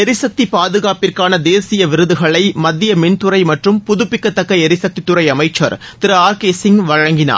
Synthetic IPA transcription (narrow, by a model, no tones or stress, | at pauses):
ɛɾɪsɐk̚t̪ipaːðɯɣaːpɪrkaːnɐd̪eːsɪjɐʋɪɾɯðɯɣɐɭɐɪmɐd̪ːɪjɐmɪnt̪ʊɾɐɪmɐʈrɯmpʊðʊpːɪkːɐt̪ːɐkːɐɛɾɪsɐk̚t̪it̪ːʊɾɐɪɐmɐɪt͡ʃːɐ̰ɾt̪ɪɾɐaːɾkeːsɪŋʋɐɻɐŋɡɪna̰ːɾ